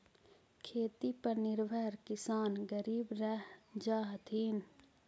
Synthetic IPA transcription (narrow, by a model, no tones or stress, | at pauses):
kʰeːt̪ipɐɾnɪɾbʱəɾkɪsaːnɡəɾiːbɾɐɦd͡ʒaːɦt̪ʰiːn